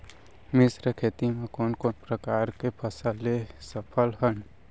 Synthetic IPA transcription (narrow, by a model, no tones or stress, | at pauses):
mɪsɾəkʰeːt̪imekoːnkoːnpɾəkaːɾkepʰəsəlesəpʰəlɦən